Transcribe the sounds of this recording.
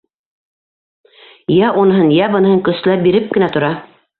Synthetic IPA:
jæʔunɤ̆ɦɤnjæbɤ̆nɤ̆hɤŋkɵ̆s̆læp̚biɾɘp̚kɘ̆næt̪ŏɾɑ

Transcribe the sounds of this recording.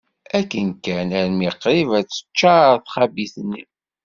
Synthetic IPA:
ækːənkænæɾmiqːɾivæt͡sːə̥t͡ʃːaɾθχæbiθnːḭ

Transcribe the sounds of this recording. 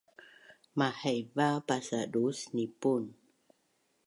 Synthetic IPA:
mahɛjvapasadusnipun

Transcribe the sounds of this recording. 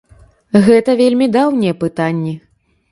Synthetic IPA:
ɣɛt̪ɐvʲelʲmʲid̪awnʲɛjɛpɨt̪anʲːɛ

